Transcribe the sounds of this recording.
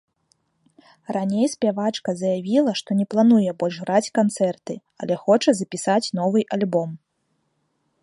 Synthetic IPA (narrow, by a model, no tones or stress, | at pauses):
ranʲejspʲavat͡ʂkɐzɐjavʲilˠɐʂt̪ɔnʲɛplˠanujɛbɔlʲʐɣɾat͡sʲkant̪sɛrt̪ɨ | ɐ̰lʲɛxɔt͡ʂɐzɐpʲisat͡sʲnɔvɨʔalʲbɔm